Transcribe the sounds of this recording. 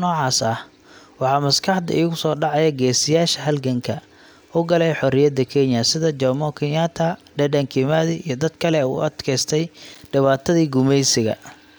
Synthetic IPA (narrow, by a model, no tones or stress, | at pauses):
nɔːʕɑːsɐh | wɑħɑːmɐskʰɑħd̪ɐ̰ʔiːɣʊsɔːɖɑʕɑjɐɡɛːsɪjaːʃɐɦɐlɡɐŋkʰɐ | ʔʊɡɐlɛjħɔɾɪjɐd̪ɐkʰɛnjɐsɪðɐd͡ʒɔmɔkʰɪnjaːt̪ʰaɖɛɖɛŋkʰɪmaðiijɞd̪ɐd̪kʰɐlɛṵːʔɐd̪kʰɛjst̪ʰɛjɖɪβaːt̪ʰɐðiːɡʊmɛjsɪɣɐ̰